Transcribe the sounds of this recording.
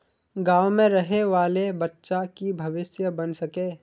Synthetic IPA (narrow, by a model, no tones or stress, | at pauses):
ɡaːwmẽɾɐɦeʋaːlebɐtːʃakibʱɐʋɪsjəbɐnsɐkeː